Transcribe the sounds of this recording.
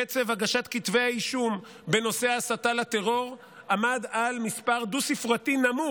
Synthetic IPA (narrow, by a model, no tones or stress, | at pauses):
et͡sevaɡaʃat̪kit̪veaiʃum | be̞no̞seasatalat̪e̞ʁo̞ʁ | ʔamadalmispaʁd̪usifʁat̪inamu